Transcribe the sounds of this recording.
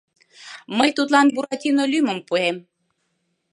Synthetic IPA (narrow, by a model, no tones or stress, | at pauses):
məjt̪ut̪lˠɑnbuɾɑt̪ʲinolʲyjməmpuem